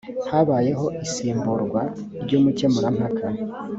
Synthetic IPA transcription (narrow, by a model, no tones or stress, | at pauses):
haβaːje̞ɦo̞ʔisiːmbuɾɡwa | ɾɟoːmucemuɾam̥akʰa